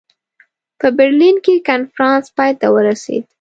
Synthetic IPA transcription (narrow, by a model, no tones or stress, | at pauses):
pəbɪɾlinkekanfɾɑnspɑjt̪awəɾasḛd̪